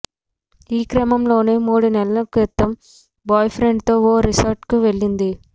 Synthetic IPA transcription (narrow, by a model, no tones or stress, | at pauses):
iːkɾɐmɐmlo̞ːneːmuːɽunɛlɐlɐkujɛt̪ːɐm | baːjpʰɾe̞ɳɖt̪o̞ːoːɾisɐɾʈkuʋe̞ɭːind̪i